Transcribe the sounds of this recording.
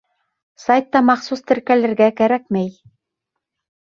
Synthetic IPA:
sajt̪ːɑmɑχsust̪ɘ̆ɾkælɘ̆ɾɡækæɾækmæj

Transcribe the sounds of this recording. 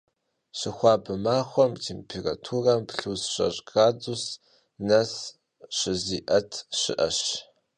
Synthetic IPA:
ɕɪxʷɑːbɨmaːxʷɔmtʰeːmpʰeːra̰tʰuːrampɬusɕɐ̰ɕʼɡaːdus | nɐs | ɕɪziːʔɐtʰɕɪ̰ʔɐ̰ɕ

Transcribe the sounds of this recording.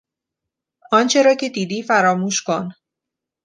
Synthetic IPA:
ɒːnt͡ʃʰe̞ɾɒːcʰe̞d̪iːd̪iːfæɾɒːmuːʃkon

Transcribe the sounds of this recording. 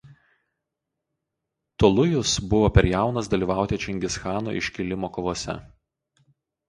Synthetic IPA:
t̪ɔlˠʊjʊsbʊʋoːpʲɛɾjæˑʊnɐsd̪ɐlʲiːˑʋɑˑʊt̪ʲɛt͡ʃʲɛŋʲɡʲɪsxɑːno̰ʔɪ̰ʃʲkʲɪlʲɪmoːkɔʋoːsʲɛ̰

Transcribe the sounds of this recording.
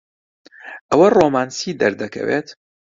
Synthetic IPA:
ʔɐwɐroːmaːnsiːd̪ɐɾd̪ɐkʰɐ̰weːt̪

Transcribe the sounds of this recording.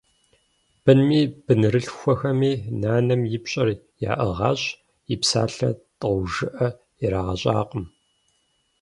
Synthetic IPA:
b̥ɨnmiːb̥ɨnɨrɨɬxʷɔxɐmiːnaːnɐmjɪpɕʼɐr | ja̰ːʔɐʁɑːɕ | jipsa̰ːɬɐ̰tʼʒɨʔɐ | jɛɾaːʁɐɕʼaːqʼəm

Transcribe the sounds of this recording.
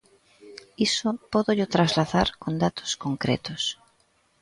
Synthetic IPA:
isʊpɔðoʎʊt̪ɾazlaðaɾkond̪at̪ʰo̥skoŋkɾḛt̪os

